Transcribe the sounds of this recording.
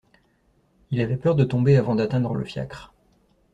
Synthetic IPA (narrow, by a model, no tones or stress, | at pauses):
ilavɛpœʁd̪ət̪ɔ̃beavɑ̃d̪at̪ɛ̃d̪ʁlə̰fja̰kχ